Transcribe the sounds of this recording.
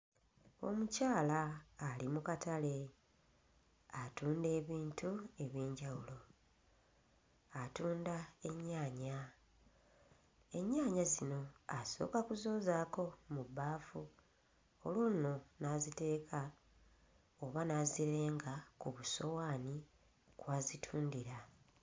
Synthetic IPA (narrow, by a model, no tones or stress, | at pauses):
o̞̰mucaːlaːlimukatale̞ | atuːnde̞ːβiːntue̞βiːɲɟawulo̞ | atuːndae̞ɲːaːɲa | e̞ɲːaːɲazino̞aso̞̰ːkakuzo̞ːzaːko̞mubaːfu | olwo̞ːno̞naːzite̞ːkʰa | oβanaziɾe̞ːŋɡakuβuso̞waːni | kwaːzitʰuːndiɾa